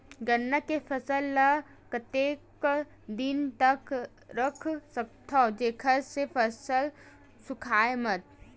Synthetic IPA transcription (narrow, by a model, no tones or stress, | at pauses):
ɡənːakepʰəsəlːə | kət̪eːk | d̪ɪnt̪ək | ɾəkʰsək̚t̪ʰod͡ʒeːkʰəɾsepʰəsəl | sʊkʰaːemət̪̚